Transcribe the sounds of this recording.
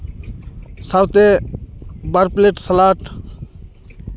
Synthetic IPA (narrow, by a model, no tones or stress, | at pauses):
sawt̪e | baɾpleʈsəlaʈ